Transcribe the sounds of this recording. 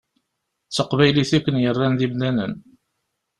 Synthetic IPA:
t͡sːəqvæjliθækʷːənjərˤːænðimnænə̰n

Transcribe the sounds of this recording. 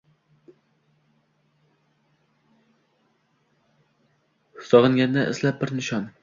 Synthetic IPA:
sɒʁɨŋɡʲand̪aʔɪ̰slap̚bɪɾnɪʃɒn

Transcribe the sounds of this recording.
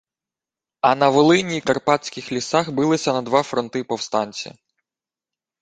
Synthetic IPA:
ɐnɐʋɔlˠɪnʲikɐrpɑtʲsʲkɪxlʲisɑxbɪlˠɪsʲɐnɐd̪ʋɑfɾɔnt̪ɪpɔwst̪ɑnʲt͡sʲḭ

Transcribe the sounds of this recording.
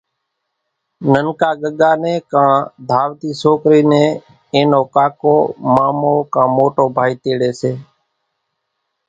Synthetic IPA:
nənkaːɠəɠaːnẽːkãːd̪ʱaːʋt̪iːsoːkɾiːnẽː | eːnoːkaːkoːmaːmoːkãːmoːʈoːbʱaːiːt̪eːɽeːseː

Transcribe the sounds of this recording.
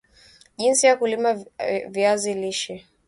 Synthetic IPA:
ʄinsijakulimaviaziliʃɛ

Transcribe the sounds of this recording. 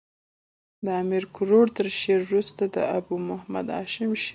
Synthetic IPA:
d̪əamiɾkʊɾoɽt̪əɾʃeɾɾust̪ad̪ə̰abumʊhama̰d̪ɑ̰ʃɪmʃ

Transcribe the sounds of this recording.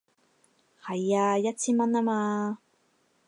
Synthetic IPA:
hajajat͡ɕimanama

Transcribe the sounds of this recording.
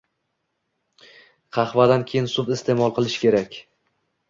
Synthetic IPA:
qʰɑχvad̪ankʲʰe̞jɪnsʊpɪst̪ʰe̞mɒlˠqɨlˠɪʃkʲe̞ɾakʲ

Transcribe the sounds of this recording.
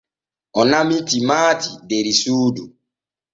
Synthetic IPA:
ɔnamitimaːtideɾisuːdu

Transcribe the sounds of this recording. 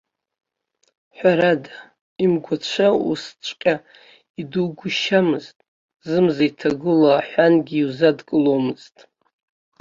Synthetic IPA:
ħʷaɾada | imɡʷat͡ʃʷʰaṵst͡ʃʷʼqʲʼa | iduɡʷʊʃamɨztʼ | zɨmzajtʰaɡɨlaħʷanɡʲiːuzadkʼɨlomɨz̥tʼ

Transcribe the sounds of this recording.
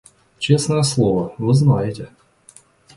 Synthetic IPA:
t͡ɕesnəjəslˠovəvɨznajɪtʲɪ

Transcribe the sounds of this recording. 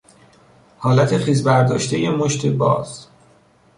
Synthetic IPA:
hɒːlæt̪ʰeχiːzbæɾd̪ɒːʃt̪ʰejemoʃt̪ʰebɒ̰ːz̥

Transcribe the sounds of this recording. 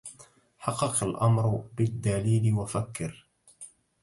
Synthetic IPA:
ħɑqːɑqalʔamɾbɪd̪ːaliːlɪwafakːɪɾ

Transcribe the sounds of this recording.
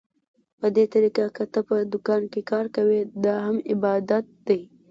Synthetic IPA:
pəd̪et̪aɾikakət̪əpəd̪ʊkɑnkekɑɾkawed̪ɑɦamɪbɑd̪at̪̚d̪aj

